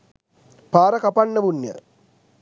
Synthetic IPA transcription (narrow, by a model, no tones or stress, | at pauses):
paːɾɐkɐpɐnːəʋunjə̰